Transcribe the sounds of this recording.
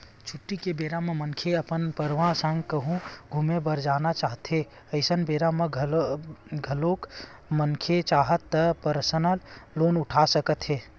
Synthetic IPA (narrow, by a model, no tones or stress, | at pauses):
t͡ʃʰʊʈːikebeːɾãmẽmənkʰeəpənpəɾʋãsə̃ŋɡkəɦũɡʱʊmebəɾd͡ʒaːnat͡ʃaːɦt̪ɦe | əɪsənbeːɾamẽ | ɡʱəlok | mənkʰet͡ʃaːɦət̪ːəpəɾsənəlːoːnʊʈʰasəkət̪ɦeː